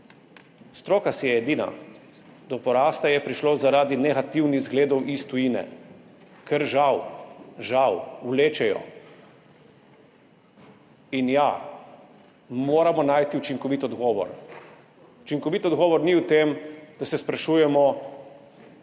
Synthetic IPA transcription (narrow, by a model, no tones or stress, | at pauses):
st̪ɾoːkasijɛɛd̪ina̰ | d̪ɔpɔɾaːst̪ajɛpɾiʃlozaɾaːd̪inɛɣat̪iwniɣzɡleːd̪ɔwʔist̪ujiːnɛ̰ | kʰɛɾʒawʒawwleːt͡ʃɛjɔ̰ | inja | moːɾamɔnaːjt̪iut͡ʃiŋkɔʋit̪ɔd̪ɡɔːʋɔ̰ɾ | ut͡ʃiŋkɔʋit̪ɔd̪ɡɔːʋɔɾniuwt̪eːmd̪̥asɛspɾaʃuːjɛmɔ